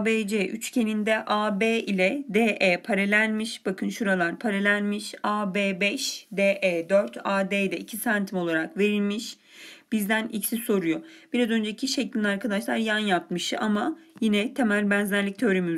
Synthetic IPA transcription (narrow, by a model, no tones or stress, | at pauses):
beːd͡ʒeʔyt͡ʃcʰe̞nind̪ɛʔaːbeːilʲɛd̪eːʔeːpʰaɾelʲænmiʃb̥akʰɯnʃuɾalˠaɾpʰaɾalʲænmiʃaːbeːbɛʃd̪eːʔeːd̪øɾt̪ʰaːd̪eːd̪ɛicʰisant̪ʰimo̞lˠaɾakve̞ɾilʲmiʃ | b̥izd̪ænicsiso̞ɾujob̥iɾazø̞nd͡ʒecʰiʃeclʲinʲaɾkad̪aʃlˠaɾjanjat̪̚mɯʃɯamajinɛt̪ʰe̞mælʲbænzæɾlʲic̚t̪ʰøɾemy